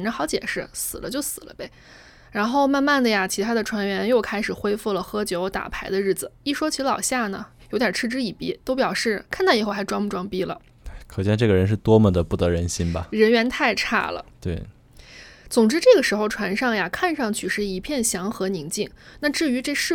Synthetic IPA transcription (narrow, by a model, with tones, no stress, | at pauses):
nʈ͡ʂə˥xɑ˧˥ʊt͡ɕjɛ̰˨˩ʂɻ̩˥˩sɹ̩˨˩lə̰˦t͡ɕjo˥˩ʊsɹ̩˨˩lə̰˦be˧˩ɪ | ɻa˧˥nxo˥˧ʊma˥˧nma˥˩nd̪ə˩ja˩t͡ɕʰi˧˥t̪ʰa˥d̪ə˨ʈ͡ʂʰwa˧˥nɥɛ˧˥njo˥˩˧ʊkʰa˥ɪʂɻ̩˨˩xwe˥ɪfu˥˩lə˩xɤ˥t͡ɕjo˧˥ʊt̪a̰˨˩pʰa˧˥ɪd̪ə˧ɻɻ̩˥˩d͡zɹ̩˩i˥˩ʂwɔ˥t͡ɕʰi˧˥lɑ˨˩ʊɕja˥˩nə̰˩jo˧˥ʊt̪ja˨˩ʈ͡ʂʰɻ̩˥ʈ͡ʂɻ̩˥i˨˩pi˥t̪o˥ʊpjɑ˨˩ʊʂɻ̩˥˩kʰa˥˧nt̪ɑ˥˩i˨˩xo˥˩ʊxa˧˥ɪʈ͡ʂwɑ˥ŋmu˥˩ʈ͡ʂwɑ˥ŋpi˥lə̰˨˩ | kʰɤ˨˩t͡ɕjɛ˥˧nʈ͡ʂɤ˥˩ɡə˩ɻə˧˥nʂ̬ɻ̩˥˩t̪wɔ˥mə˨d̪ə˩pu˥˩t̪ɤ˧˥ɻə˧˥nɕi˥nbɐ̰˨ɻə˧˥nɥɛ˧˥nt̪ʰa˥˧ɪʈ͡ʂʰa̰˥˩lə̰˩t̪we˥˩ɪ | t͡sʊ˨˩ŋʈ͡ʂɻ̩˥ʈ͡ʂɤ˥˩ɡə˩ʂɻ̩˧˥xo˥˧ʊʈ͡ʂʰwa˧˥nʂɑ˥˩ŋja˩kʰa˥˧nʂɑ˥˧ŋt͡ɕʰy˥˩ʂɻ̩˥˩i˧˥pʰjɛ˥˩nɕjɑ˧˥ŋxɤ˧˥ni˧˥ŋt͡ɕi˥˩ŋna˥˧ʈ͡ʂɻ̩˥˩y˧˥ʈ͡ʂe˥˧ʂɻ̩˥˩